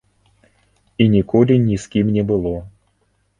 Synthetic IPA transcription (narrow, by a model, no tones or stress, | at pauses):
inʲikɔlʲɪnʲiskʲimnʲɛbɨlˠɔ